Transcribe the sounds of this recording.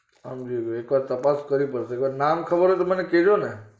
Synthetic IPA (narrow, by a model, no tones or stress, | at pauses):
amd͡ʒiekʋaɾt̪əpaskəɾipəɾseekʋaɾnamkʰəbəɾot̪oməneked͡ʒone